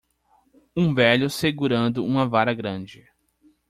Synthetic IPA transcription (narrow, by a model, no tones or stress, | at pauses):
ũvɛʎʊseɡuɾɐ̃nd̪ʊũmɐvaɾɐɡɾɐ̃d͡ʒɪ